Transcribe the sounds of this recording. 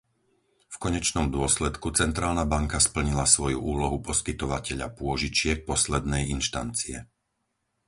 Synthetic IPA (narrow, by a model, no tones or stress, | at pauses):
fkɔɲɛt͡ʃnɔmd̪ʊɔslɛt̪kut͡sɛnt̪ɾaːlnabaŋkaspl̩ɲilasʋɔjṵʔuːlɔɦupɔskit̪ɔʋacɛʎa̰pʊɔʒit͡ʃɪɛk̚pɔslɛd̪nɛjinʃt̪a̰nt͡siɛ̰